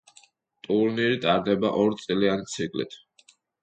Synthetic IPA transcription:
t̪ʼuɾniɾit̪ʼaɾd̪ɛbaʔɔɾt̪sʼiliant̪sʰikʼlḭt̪ʰ

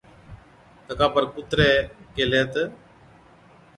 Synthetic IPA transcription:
t̪əkaːpəɾkʊt̪ɾeːkeːleːt̪ə

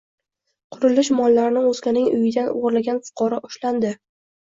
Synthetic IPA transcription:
qʰʊɾɪlɪʃmɒlˠːaɾɪnɪŋozkʲanɪŋʊ̰jɪd̪anoɾlaɡʲanfʊ̥qʰɒɾɒʔʊʃland̪ɪ

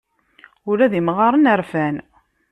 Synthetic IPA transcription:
ʊɾæðimʁɑɾˤənəɾfæn

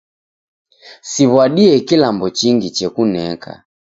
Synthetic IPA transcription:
siβwaɗiɛkilambɔt͡ʃiŋɡit͡ʃɛkunɛkʰa̰

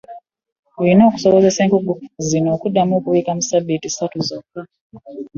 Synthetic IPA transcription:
inoːku̥soβoze̞se̞ːŋkuɡuzinoːkudːamokuβiːkamusabitisatuzokːa

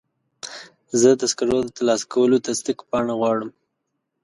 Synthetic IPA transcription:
zəd̪askaɾod̪ət̪alɑskawəlot̪ast̪ikpɑɳaɣwɑɽəm

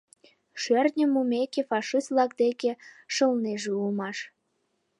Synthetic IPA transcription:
ʃørnʲəmumekefɑʃislɑk̚d̪ekeʃəlneʒeulmɑʃ

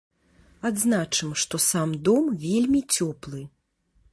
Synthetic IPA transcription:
ad̪znat͡ʂɨmʂt̪ɔsamd̪ɔmvʲelʲmʲit͡sʲɔplˠɨ

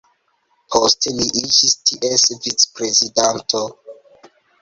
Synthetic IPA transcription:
pʰostliʔid͡ʒistʰiʔesvit͡spɾezidantʰo

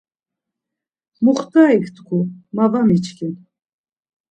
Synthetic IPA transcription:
muχt̪ʼaːikʰt̪ʰkʰumavamit͡ʃʰkʰin

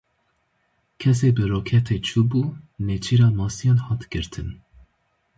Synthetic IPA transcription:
kʲʰɛseːbɨɾoːkʰɛt̪ʰeːt͡ʃʰuːbuːnet͡ʃʰiːɾɑːmɑːsijɑːnhɑːt̪ɡ̥ɨɾt̪ʰɨn

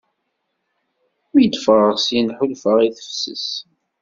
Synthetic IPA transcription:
ʊjəd̪fəʁəʁsjnħulfəʁiθə̥fsə̰s

